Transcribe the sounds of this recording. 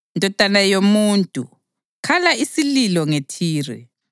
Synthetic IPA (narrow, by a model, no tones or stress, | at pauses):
ndʱɔtʼanajomuntʼṵ | kʰalaisililɔŋetʰiːrɛ̰